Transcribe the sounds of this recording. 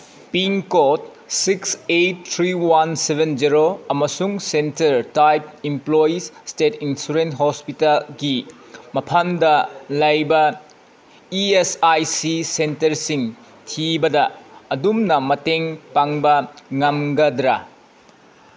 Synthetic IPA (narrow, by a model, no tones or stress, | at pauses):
piŋkot̚ | siksejt̚tʰɾiwansebʱend͡ʒiɾoɐmɐsuŋsentɐɾtajp̚implojisstetinsuɾentɦospitalɡi | mɐpʰandɐlɐjbɐ | iesajsisentɐɾsiŋ | tʰibɐdɐːdumnɐmɐteŋpaŋbɐŋɐmɡɐdɾɐ